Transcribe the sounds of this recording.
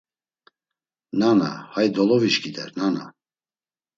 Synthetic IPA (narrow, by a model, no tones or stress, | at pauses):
nana̰hajd̪ɔlɔviʃɡʰid̪ɛ̰ɾnana̰